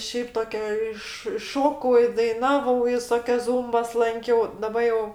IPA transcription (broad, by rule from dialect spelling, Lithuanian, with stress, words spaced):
ˈʃʲɛɪp ˈtoːkʲɛ ˈɪʃ ɪ ˈʃoːkɐʊ ɪ dɐɪˈnɑːʋɐʊ ʋʲɪˈsoːkʲɛs ˈzuːmbɐs ˈlˠɐŋʲkʲɛʊ dɐˈbɐ jɛʊ